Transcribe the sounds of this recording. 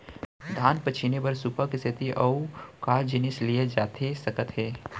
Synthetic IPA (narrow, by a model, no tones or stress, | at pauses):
d̪ʱaːnpɐt͡ʃʰɪnebɐɾsupakist̪ʰɪt̪iʔɐukaːd͡ʒɪnɪslijed͡ʒaːt̪ʰesɐkət̪ɦɛː